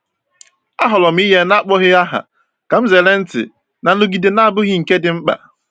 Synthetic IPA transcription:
a˦ɦɔ˨lɔ˨m̩˦i˦ɦe˦na˦k͡pɔ˦ɣɪ˦a˦ɦa̰˨ | ka˨m̩˦ze˨le˦n̩˦tɪ̰˨ | na˨no˦ɡi˨de˨na˦a˦˨bʊ˦ɣi˦ŋ̩˨ke˦dɪ˨ŋ͡m̩˦k͡pa̰˨

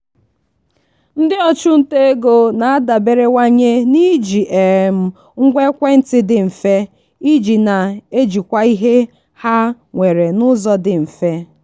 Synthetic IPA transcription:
n̩˦dɪ˦ɔ˦˨t͡ʃʊ˦n̩˦te˦e˦ɡo˨na˨a˦da˨be˨ɾe˦wa˦ɲe˦ni˦d͡ʒi˨ʔe˨m̩˦ | ŋ̩˦ɡʷe˦kʷe˦n̩˦tɪ˦dɪ˨m̩˨fe˦ | i˦d͡ʒi˨na˨e˦d͡ʒi˨kʷa˦i˦ɦe˦ | ha˦ | ŋʷe˨ɾe˨nʊ˦zɔ˦dɪ˨m̩˨fe˦

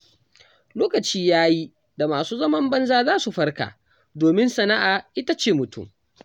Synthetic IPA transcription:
loː˦kɐ˨t͡ʃiː˦jaː˦ji˦ | da˨maː˨suː˦zɐ˦mɐ˦mbɐ˦nzaː˦zaː˦su˨ɸɐ˦rka̰ː˨ | doː˨mɪ˦nsɐ˨na˦ʔaː˨ʔɪ˦ta˦t͡ʃeː˦˨mʊ˨tʊ̰˦˨m

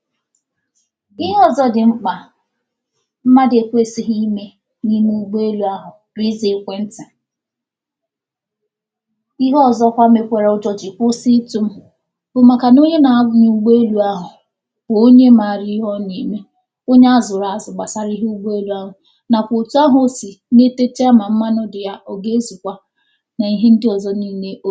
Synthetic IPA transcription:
i˦ɦɔ˦˨zɔ˦dɪ˨ŋ͡m̩˦k͡pa˨ | m̩˦ma˦de˨kʷe˦˨si˨ɦi˦me˦ | ni˦mu˦ɡ͡be˦e˦lu˨˦a˦ɦʊ˨ | bi˦zi˨˦kʷe˦n̩˦tɪ˨ | i˦ɦɔ˦˨zɔ˦kʷa˦me˨kʷe˨ɾa˨˦ʊ˦d͡ʒɔ˦d͡ʒɪ˨kʷʊ˦si˦tu˦m̩˦ | bʊ˨ma˨ka˨no˦ɲe˦na˨a˦˨ɲu˨u˨ɡ͡be˦e˦lu˦a˦ɦʊ˨ | bʊ˨o˦ɲe˦ma˨ɾi˦ɦɔ˦ni˨me˦ | o˦ɲe˦a˦zʊ˨ɾa˨a˨zʊ˨ɡ͡ba˨sa˦ɾi˦ɦe˦u˦ɡ͡be˦e˦lu˦a˦ɦʊ˨ | na˨kʷʊ˨tu˦a˦ɦo˨˦si˨ne˦te˦t͡ʃe˦a˦ma˨m̩˦ma˦nʊ˦dɪ˨ja˦ʔɔ˨ɡe˦e˦zu˨kʷa˦ | na˨i˦ɦe˦n̩˦dɪ˦ɔ˨zɔ˦niː˦ne˦ʔo˦

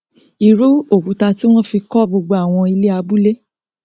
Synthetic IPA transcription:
i˨ɾu˦o˨ɡu˨˦ta˧ti˦w̃ɔ̃˦fi˧kɔ˦bo˧ɡ͡bo˧a˨w̃ɔ̃˧i˧le˦a˧bu˦le˦

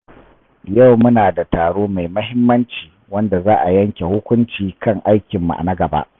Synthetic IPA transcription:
jɐ˦˨wmʊ˦naː˨da˨taː˨ɽoː˦ma˨jmɐ˦ɦɪ˦mːɐ˦nt͡ʃiː˨wɐ˦nda˨zaː˦ʔa˨jɐ˦ŋkʲe˨hʊ˦kʷʊ˦nt͡ʃiː˨kʰɐ˦˨ŋʔa˦jkʲɪ˨mːṵ˨ʔa̰˨na˦ɡɐ˨ba̰˦ʔ

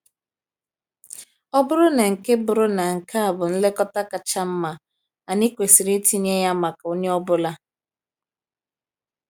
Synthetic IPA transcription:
ɔ˦bʊ˦ɾʊ˦na˨ŋ̩˨ke˦bʊ˨ɾʊ˦na˨ŋ̩˨ka˦a˨bʊ˨n̩˦le˦kɔ˦ta˦ka˨t͡ʃa˦m̩˦ma˨ | a˨ni˦kʷe˨si˨ɾi˦ti˦ɲ˦e˦ja˦ma˨ka˨o˦ɲe˦ɔ˦bʊ˦la˦

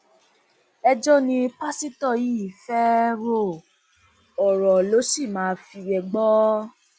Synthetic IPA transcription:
ɛ˧d͡ʒɔ˦nĩ˧pa˦si˦tɔ˦˨ji˨˦˨fɛ˦ɾo˦˨ | ɔ˨ɾɔ˨lo˨˦ʃi˦˨mãː˨˦˧fi˧ɾɛ˧ɡ͡bɔ˦

